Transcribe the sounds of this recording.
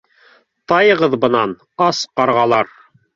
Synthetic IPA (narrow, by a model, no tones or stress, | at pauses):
t̪ɑjɤʁɤðbɤ̆nɑn | ɑsqɑɾʁɑlˠɑɾ